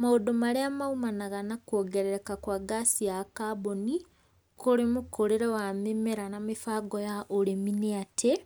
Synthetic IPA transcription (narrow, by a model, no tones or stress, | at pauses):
maodomaɾeamaumanaɣanakwoːɡeɾeɾekakwaɡasijakaboni | koɾimukoɾeɾewamimeɾanamifaːɡojaʔoɾemineatʰe